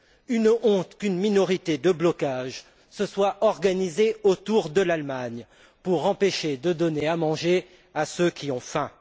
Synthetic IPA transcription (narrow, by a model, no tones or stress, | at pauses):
ynɔ̃t̪kʲynminɔʁit̪ed̪əblɔkaʒ | səswaʔɔʁɡanizeot̪uʁd̪əlalmaɲ | puʁɑ̃peʃed̪əd̪ɔneamɑ̃ʒe | asøkʲiɔ̃fɛ̃